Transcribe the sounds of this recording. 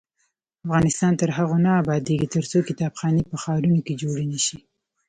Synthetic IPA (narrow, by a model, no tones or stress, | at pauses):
afɣɑnɪst̪ɑnt̪əɾɦaɣonaːbɑd̪eɡit̪əɾt͡sokɪt̪ɑbxɑnepəxɑɾunoked͡ʒoɽenəʃi